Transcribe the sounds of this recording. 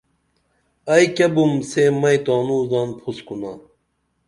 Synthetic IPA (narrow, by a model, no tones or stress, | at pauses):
ɐjkɐbumsemɐjt̪oːnuːzaːnpʰuskuna